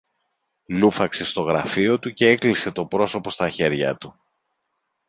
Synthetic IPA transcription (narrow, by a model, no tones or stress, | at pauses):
lufɐkse̞st̪o̞ɣɾɐfio̞t̪uce̞e̞klise̞t̪o̞pɾo̞so̞po̞st̪ɐçe̞ɾʝɐ̰t̪u